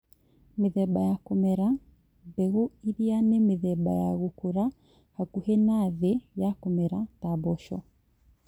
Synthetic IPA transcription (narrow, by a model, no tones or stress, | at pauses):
meðɛbajakɔmɛɾa | bɛɣoiɾianemeðɛba̰jaɣokoɾa | hakuhenaðejakɔmɛɾatabɔʃɔ̰